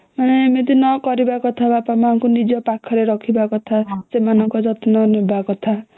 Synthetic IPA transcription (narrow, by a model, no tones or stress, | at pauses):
manemet̪inɔkɔɾibakot̪ʰabapamaŋkonid͡ʒɔpakʰɔɾeɾʌkʰibakot̪ʰasemanʌŋkɔd͡zʌt̪inʌnebakot̪ʰa